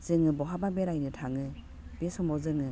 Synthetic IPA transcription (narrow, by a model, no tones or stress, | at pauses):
z̥ɯŋɯbɔɦababeɾajnɯtʰaŋɯ | besɔmɔzɯŋɯ